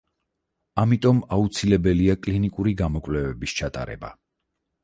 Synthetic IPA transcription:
amit̪ʼɔmaut̪sʰilɛbɛliakʼlinikʼuɾiɡamɔkʼvlɛvɛbist͡ʃʰat̪ʼa̰ɾɛ̰ba̰

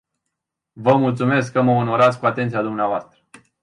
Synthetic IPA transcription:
vəmult̪sume̞skːəməono̞ɾat̪sʲkuat̪e̞nt̪siad̪umneavoast̪ɾə

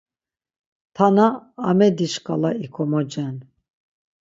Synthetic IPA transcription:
t̪ʰanaːmɛd̪iʃkʼalaikʰɔmɔd͡ʒɛn

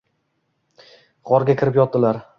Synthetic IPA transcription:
ʁɒɾɡʲakʲʰɪɾɪpjɒt̪̚ːd̪ɪlaɾ

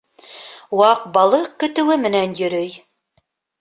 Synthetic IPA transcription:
wɑq̚bɑlˠɤkɵ̆t̪ɘ̆wɘmɘ̆nænjɵ̆ɾɵj

